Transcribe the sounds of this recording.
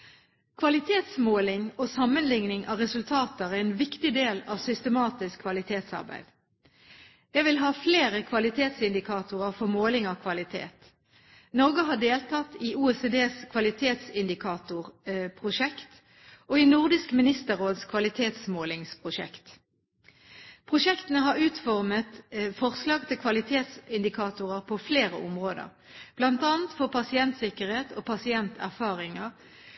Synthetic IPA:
kʰʋɑlɪt̪ʰeːt̪smoːlɪŋoːsɑmənlɪŋnɪŋʔɑːʁɛsʉlt̪ʰɑːt̪əʁæɛːnʋɪkt̪ɪd̪eːlɑ̰ːʋsʏst̪əmɑːt̪ɪskkʰːʋɑlɪt̪ʰeːt̪sɑ̰ʁbæ̰ɪd̪̥ | jɛʋɪlɦɑːfleːʁəkʰʋɑlɪt̪ʰeːt̪sɪnd̪ɪkʰɑːt̪ʊʁəʁfɔʁmoːlɪŋɑʋkʰʋɑlɪt̪ʰḛːt̪ | nɔʁɡəɦɑːɖeːlt̪ʰɑt̪iːuːɛsed̪eːskʰʋɑlɪt̪ʰeːt̪sɪnd̪ɪkʰɑːt̪ʊʁpʰʁʊʃɛkt̪ | oːiːnʊʁd̪ɪskmɪnɪst̪əʁoːd̪skʰʋɑlɪt̪ʰeːt̪smoːlɪŋspʰʁʊʂɛ̰kt̪ | pʰʁʊʃɛkt̪ənəɦɑʁʉːt̪fɔʁmət̪fɔʁslɑːɡt̪ʰɪlkʰʋɑlɪt̪ʰeːt̪sɪnd̪ɪkʰɑːt̪ʊʁəʁpʰofleːʁə̰ʔʊmʁoːd̪ə̰ʁ | b̥lɑnt̪ɑːnt̪fɔʁpʰɑsɪɛnt̪sɪkəʁheːt̪ʰoːpʰɑsɪɛnt̪ʰæ̰ʁfɑːʁɪŋəʁ

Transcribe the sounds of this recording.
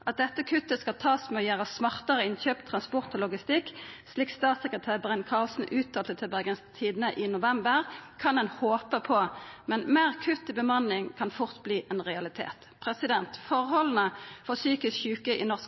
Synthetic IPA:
ʔɑt̪̚d̪ɛt̪ːəkʰʉt̪ːəskɑlt̪ʰɑːsmɛɔjæːʁəsmɑʁt̪əʁəɪnçøːpt̪ʰʁɑnspɔʁt̪oːlʊɡɪst̪ɪksliːkst̪ɑːt̪sɛkʁət̪ʰæːʁbʁɛnkʰɑːlsn̩ʔʉːt̪̚ɑːlt̪ət̪ʰɪlbæɡənst̪ʰiːd̪ən̩əʔɪnʊʋɛmbəʁkʰɑnɛnhoːpəpʰɔmɛnmeːʁkʰʉt̪ːɪbəmɑnɪŋkʰɑnfʊʁt̪bliːʔɛnʁɛɑlɪt̪ʰḛːt̪pʰʁɛsɪd̪ɛnt̪fɔʁɦɔlən̩əfɔʁsyːkɪsçʉːkəʔɪ̰nɔʁs

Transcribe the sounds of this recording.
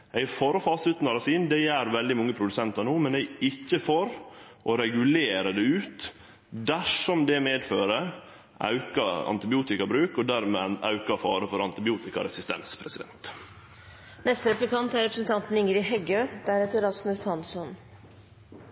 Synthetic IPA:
æɪfɔɾɔfɑːsʉt̪n̩ɑɾɑsiːnd̪æɪæɾʋɛld̪ɪmɔŋːəpʰɾʊd̪ʉsɛnt̪ɑɳuːmɛnɛɪɪçːəfɔɾʔɔɾɛɡʉleːɾəd̪ɛʉːt̪ | d̪æʂɔmd̪ɛmeːd̪føːɾə | ʔɑ̰ʉkɑɑ̰nt̪ɪbɪuːt̪ɪkɑbɾʉːkɔd̪æɾmeːɑʉkɑfɑ̰ːɾəfɔɾɑnt̪ɪbɪuːt̪ɪkɑ̰ɾɛsɪst̪ɛ̰nspʰɾɛsɪd̪ɛ̰nt̪ | nɛst̪ɾɛplɪkʰɑnt̪æɾɛpɾəsn̩t̪ʰɑnt̪n̩ɪŋɾɪhɛɡøːd̪̥æɾɛt̪əɾɑsmʉshɑnsɔn

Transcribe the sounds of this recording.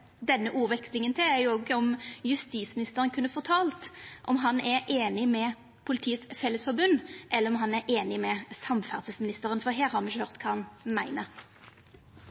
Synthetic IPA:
d̪ɛnːəʔuːʋɛkslɪŋənt̪ʰɪlæɾjʊɔɡəɔmjʉst̪iːsmɪnɪst̪əʁənkʰʉnːəfɔt̪ʰɑːlt̪ʔɔmɦɑnɛɾʔeːnɪmɛ | pʰʊlɪt̪ʰiːəsfɛlːəsfɔɾbʉnːʔɛlːəɾɔmɦɑnæɾʔeːnɪmɛsɑmfæʁt̪əsmɪnɪst̪əʁənfɔɾɦeːɾhɑːɾmnɪçəhøʁt̪kʰɑːɑnmæɪnə

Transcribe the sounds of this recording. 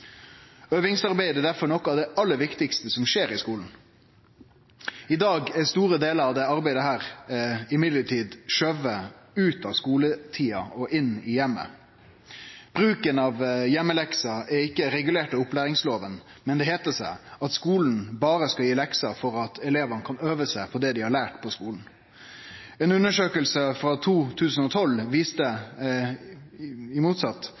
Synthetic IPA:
øːʋɪŋsɑʁbæɪd̪ɛd̪æɾfɔɳɔkːɑʋd̪ɛʔɑlːəɾʋɪkt̪ɪkst̪əsɔmʃeːɾɪskuːln̩ | ɪd̪ɑːɡɛst̪uːɾəd̪eːləɾɑʋd̪ɛɑɾbæɪd̪əhæːɾɪmɪd̪ləʈʰiːd̪ʃøʋəʉːt̪ɑʋskuːlət̪ʰiːɑɔʔɪnɪjɛmːə̰ | b̥ɾʉːkənɑʋjɛmːəlɛksɑɛɾɪkːəɾɛɡʉleːʈəʊplæːɾɪŋsloːʋən | mɛnd̪ɛɦeːt̪əʂæ̰ɪɑt̪skuːln̩bɑːɾəskɑjiːlɛksɑfɔɾɑt̪ʰɛleːʋənəkʰɑnøːʋəsæɪpʰɔd̪ɛd̪ɪhɑɭæːʈpʰɔskuːln̩ | ɛnʉnːəʂøːkəlsəfɾɑt̪ʰuːt̪ʰʉːsən̩ɔt̪ʰɔlʋiːst̪ə | ɪmuːt̪sɑt̪ː

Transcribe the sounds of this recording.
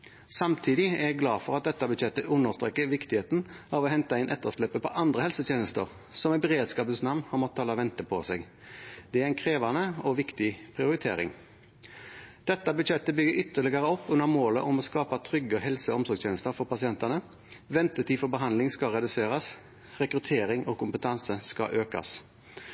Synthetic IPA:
sɑmt̪ʰiːd̪ɪæɾjæɡlɑːfɔʁɑt̪̚d̪ɛt̪ːɑbʉd̪jɛt̪ːəʔʉnːəʁst̪ʁeːkːəʋɪkt̪ɪheːt̪nɑːʋɔɦɛnt̪ɑɪnʔɛt̪ːəʂløːpːəpʰɔʔɑnd̪ʁəhɛlsət̪ʰjeːnəst̪ə̰ɾ | sɔmɛbəʁeːd̪skɑːpəsnɑʋnhɑɾmɔt̪ːt̪ʰːɑːlɑʋɛnt̪əpʰɔsɛɡ | d̪̥ɛæɾɪnkʰɾeːʋɑnəɔʋɪkt̪ɪpʰʁɪʊɾɪt̪ʰḛːɾɪ̰ŋ | d̪̥ɛt̪ːɑbʉd̪ʃɛt̪ːəbʏɡəɾʔʏt̪ːəʁɭɪɡɑɾəɔpːʉnːəʁmoːləʔɔmɔskɑːpɑt̪ʰɾʏɡːəɔɦɛlsəɔmsɔɾɡsʰeːnəst̪əɾfɔɾpɑsɪɛnt̪ənə | ʋɛnt̪ət̪iːfɔbəɦɑnd̪lɪŋskɑʁɛd̪ʉseːɾɑs | ʁɛkɾʉt̪ʰeːɾɪŋʔɔkʰʊmpət̪ʰɑnsəskɑ̰ʔøːkɑ̰s

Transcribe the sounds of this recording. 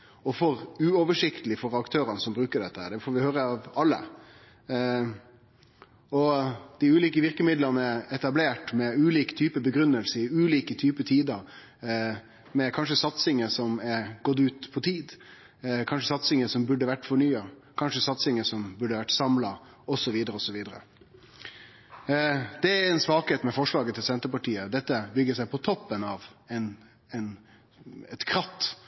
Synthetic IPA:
ɔfɔɾʉːɔʋəʂɪkt̪əlɪfɔɾɑkt̪ʰøːɾɑnəsɔmbɾʉːkəɖɛt̪ːəhæːɖ̪ɛfoːɾʋɪhøːɾəɑʋɑlːə̰ | ɔd̪̥ɪʉːliːkəʋɪɾkəmɪd̪lɑnəɛɛt̪ɑbleːʈmɛʉːliːkt̪ʰyːpəbəɡɾʉnːəlsəɪʉːliːkət̪ʰyːpət̪ʰiːd̪ə | mɛkʰɑnʂəsɑt̪sɪŋəsɔmɛɾɡ̥ɔt̪ːʉːt̪pʰɔt̪ʰiːd̪ | kʰɑnʂəsɑt̪sɪŋəsɔmbʉɖːəʋæʈːfɔɳyːɑkʰɑnʂəsɑt̪sɪŋəsɔmbʉɖːəʋæʈːsɑmlɑ | ɔsɔʋiːd̪əɾəɔsɔʋiːd̪əɾə̰ | d̪̥ɛæɾɛnsʋɑːkheːt̪mɛfɔʂɭɑːɡət̪ʰɪlsɛnt̪əɾpɑʈiːəd̪ɛt̪ːəbʏɡəsæɪpʰɔt̪ʰɔpːənɑːʋɛn | ɛn | ɛt̪kʰɾɑt̪ː

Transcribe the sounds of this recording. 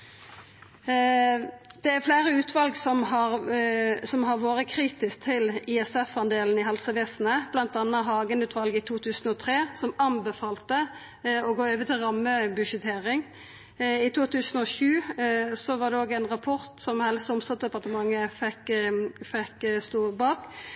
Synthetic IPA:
d̪̥ɛæflæːʁəʉːt̪ʰʋɑlɡsɔmhɑʁ | sɔmɦɑʁʋoːɾəkʰɾiːt̪ɪsk̚t̪ʰɪlɪɛsɛfɑnd̪eːln̩ɪɦɛlsəʋeːsn̩əb̥lɑnt̪ɑnːəɦɑːɡənʉːt̪ʰʋɑlɡəɪt̪ʰuːt̪ʰʉːsn̩ɔt̪ʰʁeːsɔmɑnbəfɑːlt̪ə | ɔɡoːøːʋət̪ʰɪlʁɑmːəbʉʂət̪ʰeːʁɪŋ | ɪt̪ʰuːt̪ʰʉːsənɔʃʉːsɔʋɑːʁd̪ɛoːɡæɪnʁɑpʰɔɾt̪sɔmhɛlsəʊmst̪ɑd̪ɛpɑʁt̪əmɑŋːəfɛkfɛkst̪uːbɑːk

